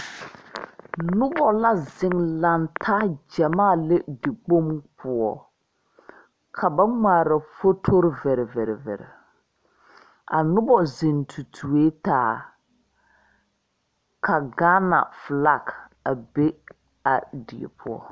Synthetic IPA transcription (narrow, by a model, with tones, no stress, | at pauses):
nnʊ˦bɔ˨la˦zɪ˨ŋla˨ntʰa˦d͡ʒa˨maː˦˨le˦dɪ˨k͡po˦mpʰʊ˨ɔ˨ | kʰa˨ba˦ŋa˨ɾa˨fo˦tʰo˦ɾvɛ˨ɾɛ˨vɛ˨ɾɛ˨vɛ̰˨ɾɛ̰˨ | a̰˨nʊ˦bɔ˨zɪ˨ntʰu˨tʰu˨eː˦taː˦˨ | kʰa˨ɡaː˦na̰˨fla˦˨ka˨be˦ | a˨dɪ˨ḛ˨pʰʊ˦ɔ̰˦